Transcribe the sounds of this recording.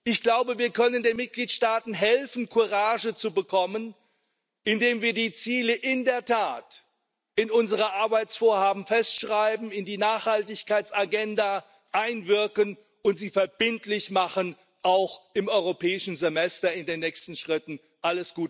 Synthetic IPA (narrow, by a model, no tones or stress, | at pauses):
ʔɪçɡ̥laʊbəviːɐkʰœnəndeːnmɪt̚ɡ̥liːtʃtaːtn̩ɦɛlfn̩kʰuʁaːʒət͡subəkʰɔmən | ʔɪndeːmviːɐdiːt͡siːləʔɪndeːɐtʰaːt | ʔɪnʊnzəʁəʔaɐbaɪt͡sfoːɐhaːbm̩fɛstʃʁ̥aɪbm̩ɪndiːnaːχhaltɪçkaɪt͡saɡɛnda | ʔaɪnvɪɐkən | ʊntz̥iːfɛɐb̥ɪntlɪçmaχən | ʔaʊxɪmɔʏʁopʰɛːɪʃn̩zemɛstɐɪndeːnːɛːçstn̩ʃʁ̥ɪtn̩ | ʔaləsɡ̥uːt